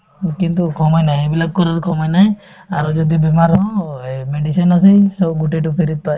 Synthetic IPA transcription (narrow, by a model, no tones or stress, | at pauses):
kint̪ukʰɔmajnaɦẽebilab̚kɔɾaɾkʰɔmajnaɦẽ | aɾd͡ʒɔd̪ibimaɾɦɔ̃meɖisɔnasejsɔbɡuʈeʈupʰiɾit̪̚paj